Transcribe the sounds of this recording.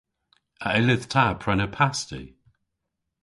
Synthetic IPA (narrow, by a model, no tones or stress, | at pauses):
əɪlɪðtʰapʰɹ̥ɛnəpʰastḭ